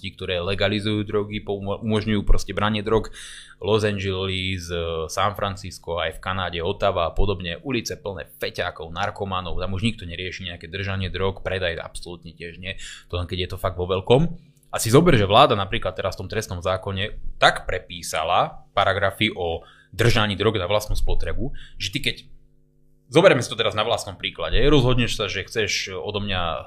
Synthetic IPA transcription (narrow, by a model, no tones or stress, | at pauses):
cik̚t̪ɔɾɛːlɛɡalizujuːd̪ɾɔɡipɔumɔʒɲujuːpɾɔscɛbɾaɲɪɛd̪ɾɔɡ | lɔzand͡ʒɛlizsanfɾant͡siskɔajfkanaːɟɛɔt̪aːʋaːpɔd̪ɔbɲɛʔulit͡sɛpl̩nɛ̰ːfɛcakɔʊnaɾkɔmanɔʊt̪amuʒɲik̚t̪ɔɲɛɾɪɛʃiːɲɛakɛːd̪r̩ʒaɲɪɛd̪ɾɔkpɾɛd̪aja̰psɔlut̪ɲɛcɪɛʒɲɪɛt̪ɔɛŋkɛɟjɛt̪ɔfaɡ̚d̪ʋɔʋɛlkɔm | ʔasizɔbɛɾɛʒɛʋlaːd̪anapɾiːklat̪ːɛɾasft̪ɔmt̪ɾɛst̪nɔmzaːkɔɲɛt̪akpɾɛpiːsa̰lapaɾaɡɾafiʔɔ | d̪r̩ʒaɲiːd̪ɾɔɡnaʋlast̪nuːspɔt̪ɾɛbuʒɛt̪ikɛc | zɔbɛɾɛmɛsit̪ɔt̪ɛɾaznaʋlastnɔmpɾiːklaɟɛɾɔzɦɔd̪ɲɛʃsaʒɛxt͡sɛʃɔ̰d̪ɔmɲa